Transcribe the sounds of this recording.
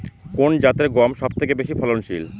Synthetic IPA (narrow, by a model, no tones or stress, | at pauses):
kond͡ʑat̪eɾɡɔmʃɔb̚t̪ʰekebeʃifʰɔlonʃḭl